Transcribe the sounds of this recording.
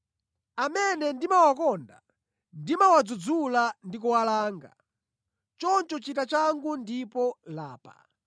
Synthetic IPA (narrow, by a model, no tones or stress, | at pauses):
amɛnɛndimawakɔnda | ndimawad͡zud͡zulandik̬uwalaːŋɡa̰ | t͡ʃɔnt͡ʃɔt͡ʃitat͡ʃaŋɡundipɔla̰ːpa̰